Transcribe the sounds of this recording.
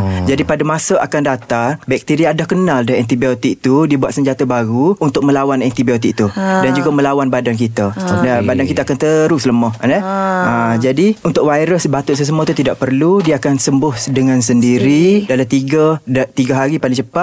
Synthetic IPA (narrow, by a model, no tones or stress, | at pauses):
d͡ʒadipadamasaʔa̰kandat̪aŋbɛk̚t̪iɾiaːdahkənaldaɦɛnt̪ibiot̪ɪk̚t̪udiəbuat̪səɲd͡ʒat̪abaɡuunt̪ʊk̚mə̃lawanɛnt̪ibiot̪ɪk̚t̪udand͡ʒuɡamə̃lawanbadank̬it̪adbadankit̪aakant̪əɾusləmɔhanəəd͡ʒadiunt̪ʊk̚wajɾəsbat̪ʊʔsəs̬əmɔt̪ut̪idaʔpərludiaakansəmbʊhdəŋãnsəndiɾidalat̪iɡat̪iɡaɦaɾipaliŋt͡ʃəpat̪̚